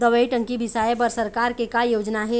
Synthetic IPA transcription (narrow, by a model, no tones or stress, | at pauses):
d̪əʋəiʈə̃ŋkibʱɪsaːjepəɾsɐɾkaːɾkekajoːd͡ʒnaɦɛː